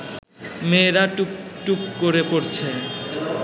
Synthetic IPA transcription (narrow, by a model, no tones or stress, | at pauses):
meɾaʈuʈukːoɾepoɾt͡ɕʰe